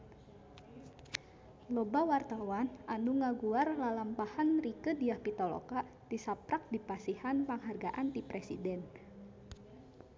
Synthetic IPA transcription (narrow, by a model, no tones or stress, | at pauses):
lobawart̪awanʔanuŋaɡuarlalampahanrikədiahpit̪olo̰ka | d̥isapɾak̚dipasihanpaŋɦarɡaʔant̪ipɾɛsḭdɛn